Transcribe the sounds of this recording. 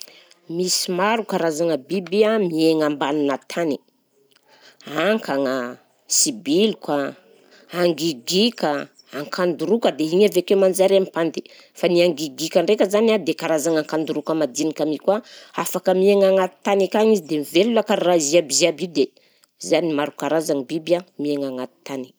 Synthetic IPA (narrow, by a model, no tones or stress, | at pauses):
misimaɾukaɾazaŋəbibiamieŋambaninat̪ʰani̥ | aŋkaŋa | sibilukwa | aŋɡiɡikə | aŋkʰand̪uɾukəd̪eɦiɲavekemand͡ʒaɾempand̪i̥ | faniaŋɡiɡikəɳɖ͡ʐekʲəzanad̪ekaɾazaŋaŋkand̪uɾukəmad̪inikamikwaafakəmieŋaŋat̪i̥t̪anikaŋizid̪emivelulakaɾraiziabiziabid̪e | zanimaɾukaɾazaŋibibjamieŋaŋat̪i̥t̪ani̥